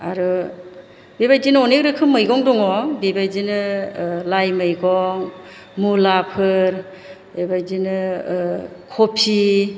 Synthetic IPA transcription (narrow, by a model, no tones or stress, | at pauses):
a̰ɾɯ | bebajzinɯɔnek̚ɾɯkʰɯmːɯjɡɔŋdɔŋɔbibajd͡ʒinɯlajmɯjɡɔŋ | mulapʰɯɾ | bebajzinɯ | kʰɔpʰi